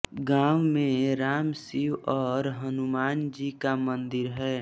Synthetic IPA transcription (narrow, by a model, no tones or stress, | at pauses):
ɡãːwmẽɾaːmsiwɔːɾɦənumaːnd͡ʒikamənd̪ɪɾɦɛː